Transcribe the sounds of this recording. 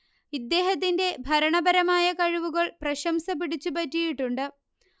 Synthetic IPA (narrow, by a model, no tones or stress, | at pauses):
id̪ːe̞ːɦɐt̪̬ːinde̞bʱɐɾɐɳɐbɐɾɐmaːjɐkɐɻiʋuɣɐɭprɐɕɐmsɐpiɽit͡ɕːupɐtːijiʈːuɳɖɨ